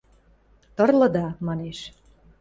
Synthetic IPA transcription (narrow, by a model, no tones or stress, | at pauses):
t̪ɤ̆rlɤ̆d̪ɑmɑneʃ